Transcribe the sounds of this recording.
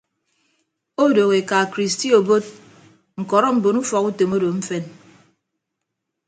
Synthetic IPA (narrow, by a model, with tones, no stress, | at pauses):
o˦do˨ɣe˨ka˨kɾi˨sti˦o˨bo˦t̚ | ŋ̩˨kɔ˨ɾɔ˦m̩˨bo˨nu˦fɔ˨ku˦to˨mo˦do˨m̩˦fe˦n